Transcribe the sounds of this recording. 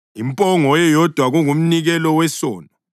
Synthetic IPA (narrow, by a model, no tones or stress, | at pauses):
impʼɔŋɔjɛjɔd̥ʱwaɣuŋum̩niɣɛlɔwɛsɔːna